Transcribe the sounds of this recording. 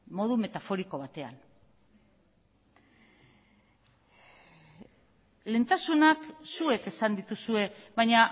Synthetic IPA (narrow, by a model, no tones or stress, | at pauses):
mo̞ðume̞t̪afo̞ɾiko̞β̞at̪e̞a̰n | le̞nt̪asunaksue̞ke̞sand̪it̪usue̞βajɲa